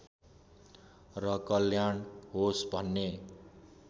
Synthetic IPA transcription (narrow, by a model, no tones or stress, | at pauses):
rʌkʌljaɳɦosbʱʌnːe